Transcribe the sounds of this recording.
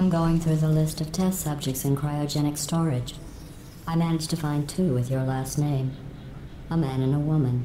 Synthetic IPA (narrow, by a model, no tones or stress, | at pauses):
ãɪ̃mɡoʊɪ̃ŋθɹʉðəlɪstʌv̥tʰɛstsʌb̚d͡ʒɨk̚tsɨ̃nkʰɹ̥aɪɨd͡ʒɛɾ̃ɨkstɔɹɪd͡ʒ | aɪmænɨ̥d͡ʒ̥tʰɨfãɪ̃ntʰʉwɪðjə˞læstⁿnẽɪ̃m | əmæ̃nɨ̃nəwʊmɨ̃n